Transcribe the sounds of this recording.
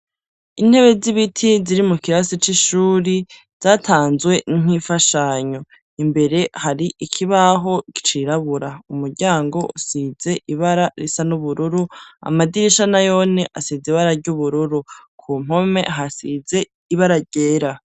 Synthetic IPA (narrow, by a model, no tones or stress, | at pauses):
in̥he̞βe̞ziβitʰiziɾimukiɾasit͡ʃiʃuːɾi | z̥aːtʰaːnzwe̞niŋ̥ifaʃaɲo̞ | imbe̞ɾe̞haɾiʔikʰiβaɦo̞ki̥t͡ʃiɾaβuɾaumuɾɟaːŋɡo̞usize̞ʔiβaɾaɾisanuβuɾuɾua̰madiɾiʃanajo̞neʔasiziβaɾaɾɟuβuɾuɾukʰuːm̥ho̞me̞̰ɦasize̞ | iβaɾaɾɟ̥e̞ːɾa